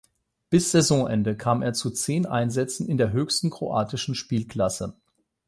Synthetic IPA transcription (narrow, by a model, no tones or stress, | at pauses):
b̥ɪsz̥ezɔ̃ʔɛndəkʰaːmeːɐt͡sut͡seːnʔa̰ɪnzɛt͡sn̩ɪndeːɐɦøːçstn̩kʁ̥oʔaːtɪʃn̩ʃpiːlkl̥asə